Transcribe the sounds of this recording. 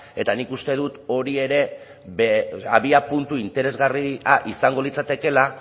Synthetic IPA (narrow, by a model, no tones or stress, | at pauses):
e̞t̪anikust̪e̞ðut̪o̞ɾie̞ɾe̞ | βeaβiapunt̪uint̪e̞ɾe̞zɣariaʔisaŋɡo̞lit͡sat̪e̞ke̞la